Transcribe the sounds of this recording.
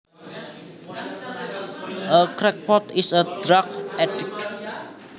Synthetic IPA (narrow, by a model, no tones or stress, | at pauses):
ʔəkɾɛk̚pɔt̪ɪsəd̥ɾakɛtɪk